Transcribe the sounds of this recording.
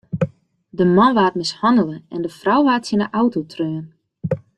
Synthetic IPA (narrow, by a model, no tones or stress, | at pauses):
dəmanʋaːtmɪshɔndələɛndəfrawʋaːtɪnəʔawtotʰrøːən